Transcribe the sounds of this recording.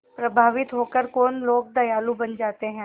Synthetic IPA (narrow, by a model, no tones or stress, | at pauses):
pɾɐbʱaːʋɪt̪ɦoːkəɾkoːnloːɡ̚d̪ɐjaːlũbɐnd͡ʒaːt̪eɦɛ̃ː